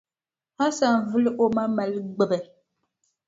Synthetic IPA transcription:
a˦sa˨n˨vɨ˦lʔo˦ma˦ma˨lɡ͡bɨ˦˨bɨ˨

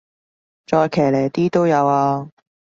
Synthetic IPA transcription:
t͡ʃɔː˧jkʰɛː˨˩le˨˩jt̪iː˥t̪o˥wjɐ˨˧waː˧

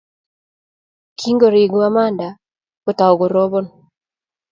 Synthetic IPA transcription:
kʰi˦ŋɡo˨ɾɪ˨ɡo˦a˦ma˦nda˨ | ko˨ta˨o˨ɡo˨ɾɔ˦bɔ˦n

